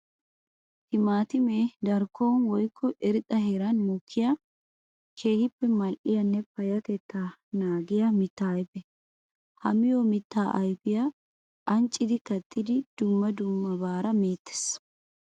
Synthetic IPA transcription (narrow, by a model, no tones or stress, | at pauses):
hɪmaːt̪ɪmeːd̪ɐɾkːoːnwɔjkʰːɔʔɛɾɪt̪ʼɐheːɾɐnmɔkʰːɪja | kʰe̞ːhɪpːɛmɐlʔɪjɐnːɛpɐjɐt̪ɛt̪ːanaːɡɪjamɪt̪ːaːjbɛ | hɐ̰mɪjoːmɪt̪ːaːʔɐjbɪja | ʔɐnt͡ʃʼːɪd̪ɪkɐt̪ʼːɪd̪ɪd̪̥ʊmːɐd̪ʊmːɐbaːɾɐmeːt̪ːɛ̥s